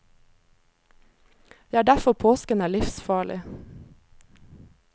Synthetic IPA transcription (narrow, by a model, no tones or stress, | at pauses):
ʋiæːɖæfɔpʰoːskənæːɭɪfsfɑːɭɪ̰